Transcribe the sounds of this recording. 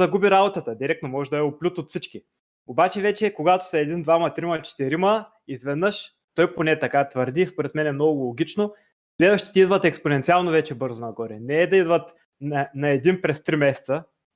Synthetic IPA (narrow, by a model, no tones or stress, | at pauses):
ɐɡubiɾabot̪ət̪əd̪iɾɛk̚t̪nomɔʒɛd̪ɐɛoplʲut̪ot̪fsit͡ʃki | obat͡ʃɛvɛt͡ʃɛkoɡat̪o̥sɐɛd̪ind̪vamɐt̪ɾimɐt͡ʃɛ̥t̪ɛɾimə | izvɛd̪nɤʃ | t̪ɔjponɛt̪ɐkat̪vəɾd̪iːspoɾɛt̪mɛnɛmnɔɡʊʊlˠoɡ̟ʲit͡ʃno | slɛvɐʃt̪ɛ̥t̪ʲid̪vɐt̪ɛksponɛnt̪sialˠnovɛt͡ʃɛbɤɾzʊnɐɡɔɾɛnɛɛd̪ɐid̪vɐt̪ | nɐnɐɛd̪inpɾɛst̪ɾimɛsɛ̥t̪sə